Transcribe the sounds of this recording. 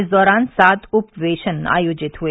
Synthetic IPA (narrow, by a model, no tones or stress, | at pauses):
zd̪ɔɾaːnsat̪upʋeːʃəna̰ːjoːd͡ʒit̪ɦue